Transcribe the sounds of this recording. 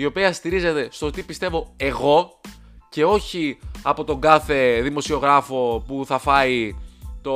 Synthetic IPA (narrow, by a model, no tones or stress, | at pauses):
io̞piɐst̪iɾize̞t̪e̞st̪o̞t̪ipist̪e̞vo̞e̞ɣo̞ | ce̞o̞çiɐpo̞t̪o̞ŋɡɐθe̞ðimo̞sio̞ɣɾɐfo̞puθɐfɐit̪o